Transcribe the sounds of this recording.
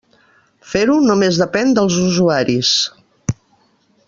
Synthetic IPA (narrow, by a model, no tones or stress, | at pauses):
feɾunumezðəpɛnd̪əlˠzuzuaɾis